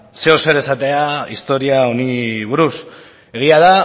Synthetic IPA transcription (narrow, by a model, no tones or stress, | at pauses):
seose̞ɾe̞sat̪e̞aist̪o̞ɾiao̞niβuɾus | e̞ɣ̞iaða